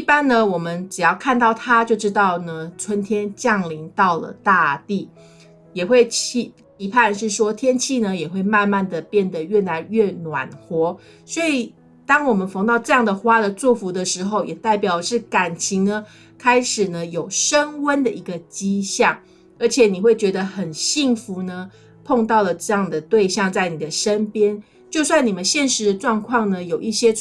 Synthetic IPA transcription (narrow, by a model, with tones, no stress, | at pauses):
i˥˩pa˥nnə˨wɔ˨˩mə˦nʈ͡ʂɻ̩˨˩jɑ˥˧ʊkʰa˥˧nt̪ɑ˥˩ʊt̪ʰa˦t͡ɕjo˥˩ʊʈ͡ʂɻ̩˥t̪ɑ˥˩ʊnə˩t͡sʰwə˥nt̪ʰjɛ˥nt͡ɕjɑ˥˩ŋli˧˥ŋt̪ɑ˥˩ʊlə̰˩t̪a˥˧t̪i˥˩ | jɛ˨˩xwe˥˩ɪt͡ɕʰi˥˩ | pi˧˥pʰa˥˧nʂɻ̩˥˩ʂwɔ˥t̪ʰjɛ˥nt͡ɕʰi˥˩nə˨jɛ˨˩xwe˥˧ɪma˥˧nma˥˩nd̪ə˩pjɛ˥˩nd̪ə˨˩ɥɛ˥˩na˧˦nɥɛ˥˩nwa̰˨˩nxwɔ˧˥ | swɔ˥i˨˩ | t̪ɑ˥ŋwɔ˨˩mə˨˦nfɑ˧˥ŋt̪ɑ˥˧ʊʈ͡ʂɤ˥˧jɑ˥˩ŋd̪ə˩xwa˦˥d̪ə˨t͡swɔ˥˩fu˧˦˥d̪ə˨ʂɻ̩˧˥xo˥˧ʊjɛ˨˩t̪a˥˩ɪpjɑ˨˩ʊ˦ʂɻ̩˥˩ka˨˩nt͡ɕʰi˧˥ŋnə˧ | kʰa˥ɪʂɻ̩˨˩nə˦jo˨˩ʊʂə˦˥ŋwə˦nd̪ə˨ʔi˧˥ɡə˨t͡ɕi˦˥ɕjɑ˥˩ŋ | ə˞˧˥t͡ɕʰjɛ˨˩˦ni˨˩xwe˥˩ɪt͡ɕɥɛ˧˥d̪ə˧xə˨˩nɕi˥˩ŋfu˧˦nə˧ | pʰo˥˧ŋt̪ɑ˥˩ʊlə˩ʈ͡ʂɤ˥˧jɑ˥˩ŋd̪ə˩t̪we˥˧ɪɕjɑ˥˧ŋt͡sa˥˩ɪni˨˩d̪ə˩˦ʂə˦npjɛ˥n | t͡ɕjo˥˧ʊswa˥˩ni˨˩mə˦nɕjɛ˥˧nʂɻ̩˨˧˥d̪ə˧ʈ͡ʂwɑ˥˧ŋkʰwɑ˥˩ŋnə˨jo˨˩ʊʔi˥˩ɕjɛ˦˥